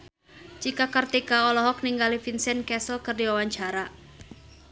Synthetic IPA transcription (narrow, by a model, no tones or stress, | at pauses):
t͡ʃikakərt̪ikaɔlɔɦɔk̚niŋɡalifinsɛnkɛsəlkərdiwawaɲt͡ʃaɾa